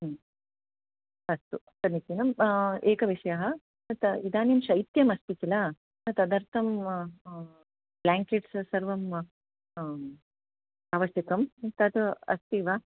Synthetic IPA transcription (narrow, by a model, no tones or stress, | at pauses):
ɐst̪u | sɐɾnit̪inɐmeːkɐʋiʂɐjaɦɐ | t̪ɐid̪aːnjimʃɐjt̪jɐmɐst̪it͡ʃila | nɐt̪ɐd̪ɐɾt̪ʰɐm | blaːŋkeʈssɐɾʋɐm | aːʋɐsjɐkɐmt̪ɐt̪uɐ̰st̪iʋaː